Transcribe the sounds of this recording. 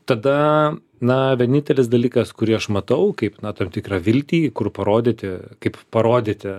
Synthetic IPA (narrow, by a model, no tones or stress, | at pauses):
t̪ɐd̪ɐ | nɐʋʲɛnʲɪnʲt̪ʲɛlʲɪsd̪ɐlʲiːkɐskʊɾʲiːɐʃmɐt̪ɐʊkɐɪpnɐt̪ɐmt̪ʲɪkrɐʋʲɪlʲt̪ʲiːkʊrpɐɾoːd̪ʲet̪ʲɪkɐɪppɐɾoːd̪ʲet̪ʲɪ